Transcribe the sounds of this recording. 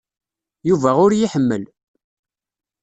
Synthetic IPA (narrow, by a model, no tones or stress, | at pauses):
juvæʊɾjiħəmːə̰l